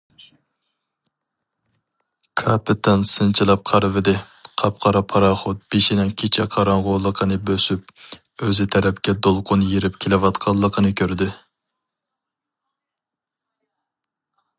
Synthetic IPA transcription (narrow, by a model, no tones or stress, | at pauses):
kʰɑpɪt̪ʰɛnsɨnt͡ʃʰilˠɑp̚qʰɑɾɨvɨd̪ɪ | qʰɑpqʰɑɾɑpʰɑɾɑχʊt̪̚b̥eʃinɪŋkʲʰet͡ʃʰɛqʰɑɾɑŋʁʊlˠəqʰənɨbøsyp̚ | øzɪt̪ʰɛɾɛpkʲɛd̪olˠqʰʊnjeɾɪp̚kʲʰelɪvɑt̪qʰɑlˠːəqʰənɨkʲʰøɾd̪ɪ